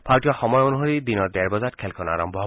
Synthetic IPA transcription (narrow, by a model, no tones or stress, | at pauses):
pʰaɹtijɔxɔmɔjonuɦoɹid̪inɔɹdɛɹbɔzat̚kʰɛlkʰɔna̰ɹɔmbʱɔɦ